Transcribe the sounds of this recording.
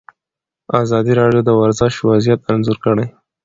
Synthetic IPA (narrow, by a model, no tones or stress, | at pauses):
ɑzɑd̪iɾɑɖjod̪əwaɾzɪʃwazjat̪anzuɾkəɽaj